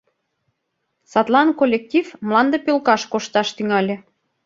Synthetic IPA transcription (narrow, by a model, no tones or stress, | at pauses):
sɑt̪lɑnkolʲːek̚t̪ʲifmlɑnd̪əpølkɑʃkoʃt̪ɑʃt̪yŋɑlʲĕ